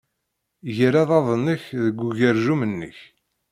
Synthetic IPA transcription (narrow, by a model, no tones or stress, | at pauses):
jəɾæðˤɑðˤənːəçðəɡʷːuʝəɾʒumənːə̰ç